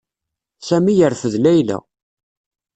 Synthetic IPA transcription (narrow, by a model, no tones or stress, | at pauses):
sæmijəɾfəðlæjlæ̰